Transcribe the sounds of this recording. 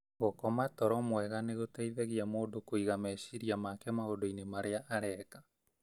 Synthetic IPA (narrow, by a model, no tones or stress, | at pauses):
ɣokɔmatɔɾɔmwɛɣaneɣotɛiðɛɣiamoːdokoiɣamɛʃiɾiamakɛmaɣodoinemaɾeaʔaɾɛːkḁ